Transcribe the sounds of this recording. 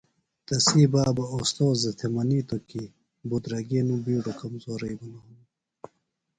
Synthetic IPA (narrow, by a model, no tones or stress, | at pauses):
t̪ɐsiːbaːbɐost̪oːzzɐt̪ʰemɐniːt̪oki | but̪ɾɐɡeːnũbiːɖokɐmzoːɾɐibɐnonu